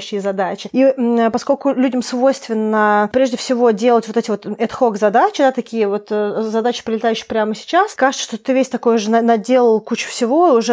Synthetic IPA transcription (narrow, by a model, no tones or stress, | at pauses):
ɕːɪjəzɐd̪at͡ɕɪipɐsko̞lʲkʊlʲudʲɪmsvo̞jst̪vʲɪnːəpɾʲeʐdʲɪfsʲɪvo̞dʲe̞lˠətʲvo̞t̪ɛtʲɪvo̞t̪ɛt̪xo̞ɡzɐd̪at͡ɕɪd̪at̪ɐkʲijəvo̞t̪zɐd̪at͡ɕɪpɾʲɪlʲɪt̪ajʉɕːɪ̥pɾʲaməsʲɪ̥t͡ɕaskaʐɨt̪səʂt̪ot̪ɨvʲesʲt̪ɐko̞jʊʐɨnɐnɐdʲe̞lˠəlˠkut͡ɕɪ̥fsʲɪvo̞ʊʐɛ